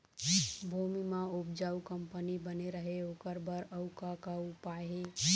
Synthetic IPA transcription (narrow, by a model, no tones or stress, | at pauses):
bʱumimãupd͡ʒaukəmpənibəneɾəɦeokəɾbəɾəʊkakaupaɦe